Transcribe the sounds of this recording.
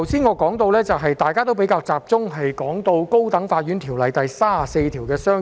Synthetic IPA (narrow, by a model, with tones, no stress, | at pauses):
wsiː˥nŋɔː˨˧kɔː˨˥ŋt̪o˧wlɛː˥t͡sɐ˨wɦɐ˨jt̪aː˨jkaː˥t̪o˥wp̬e˨˥jkaː˧wt͡saː˨p̚t͡sʊ˥ŋɦɐ˨jkɔː˨˥ŋt̪o˧wko˥wt̪ɐ˨˥ŋfaː˧t̚ɥyː˨˥nt̪ʰiː˨˩wlɐ˨jt̪ɐ˨jsaː˥˨se˧jt̪ʰiː˨˩wkɛː˧sœː˥